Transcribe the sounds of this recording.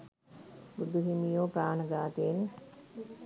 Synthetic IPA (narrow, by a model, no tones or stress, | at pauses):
bud̪ʱuɦimijoːpɾaːnəɡaːt̪eːn